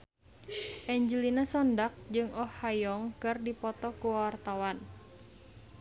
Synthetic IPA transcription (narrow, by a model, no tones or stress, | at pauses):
ʔɛɲd͡ʒəlinəsɔndak̚d͡ʒɨŋɔhajɔŋkɨrdipɔt̪ɔkuwwart̪awan